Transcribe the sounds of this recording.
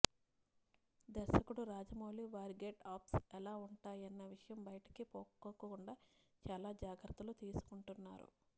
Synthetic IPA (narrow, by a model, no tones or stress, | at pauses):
d̪ɛɾsɐkuɽuɾaːd͡ʒɐmoːliʋaːɾiɡeʈaːpsɛlaːuɳʈaːjɐnːɐʋiʂɐjɐmbɐjɐʈɐ̥kipoːkːokːɐkuɳɖaː | t͡ʃaːlaːd͡ʒaːɡɾɐt̪ːɐlut̪iːsu̥kuɳʈunːaːɾṵ